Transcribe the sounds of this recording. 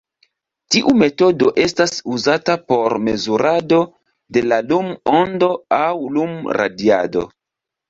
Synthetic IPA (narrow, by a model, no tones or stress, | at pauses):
tiʔume̞to̞do̞ʔe̞stasuzatapo̞ɾme̞zuɾʔado̞ | de̞lalumondo̞awlumɾa̰dia̰do̞̰